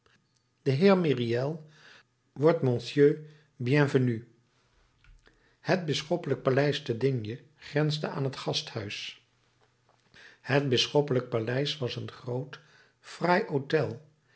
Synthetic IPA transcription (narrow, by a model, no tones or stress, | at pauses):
d̥əɦɪːɹmiriɛlˠ | ʋɔɹtmɔ̃nsjøː | bjɛ̃vəny | hət̚bɪsχɔpələk̚palɛjstədɪnjə | χrɛnzdəʔa̰ːnɦətχɑsthœɥs | hət̚bɪsχɔpələk̚palɛjsʋɑsənχrowt | frajowtɛlˠ